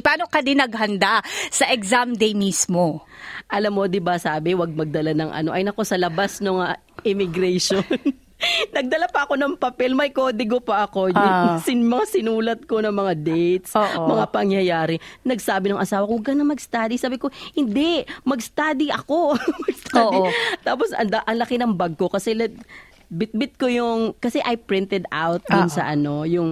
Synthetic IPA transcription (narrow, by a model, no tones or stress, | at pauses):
paːnokɐd̪inɐɡ̚hɐnd̪asɐʔɛksamd̪ejmismoʔɐlamːo̞d̪ɪbasaːbɪwɐɡ̚mɐɡ̚d̪ɐlanɐŋʔɐ̰no̞ʔɐjnɐko̞sɐlɐbasnɐŋa | ʔɪmɪɡɾɛʃonn | nɐɡ̚d̪ɐlapɐʔɐko̞nɐŋpɐpɛlmɐjkoːd̪ɪɡo̞pɐʔɐko̞jsɪmɐŋasɪnuːlɐt̪̚ko̞nɐŋmɐŋad̪ɛjt̪sʔmɐŋapɐŋjɐjaːɾɪnɐɡsaːbɪnɐŋʔɐsaːwɐkoɡɐnɐŋmɐɡst̪aːd̪isaːbɪko̞hɪnd̪ɛmɐɡst̪aːd̪iʔɐko̞mɐɡst̪ʰaːit̪aːp̬osɐ̰nd̪ɐʔɐŋlɐkɪnɐŋbɐɡ̚ko̞kɐsɛlɐ | bɪt̪̚bɪt̪̚ko̞jʊŋkɐsɛʔɐjpɾɪnt̪ɛd̪awt̪̚d̪ʊnsɐ̰ʔɐno̞jʊŋ